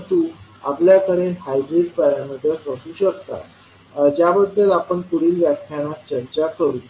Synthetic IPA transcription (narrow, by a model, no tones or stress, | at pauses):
t̪uːa̰pljakəɾenɦajdɾiʈ̚pəɾaməd̪ʱjəsəsuːɕəkt̪a̰ | d͡ʑjabəd̪ːəlapəɳkuɽ̤iːlʋjakʰːañat̪̚t͡ɕəɾt͡ɕakəɾuː